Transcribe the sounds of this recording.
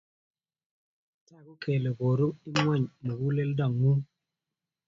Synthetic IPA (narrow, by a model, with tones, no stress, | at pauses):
ta˦˨ɡu˦kʰe˨le˨ɡo˨ɾu˦mi˦m˦a˦˨ɲme˨ɡu˦le˦lda˨ŋːu˦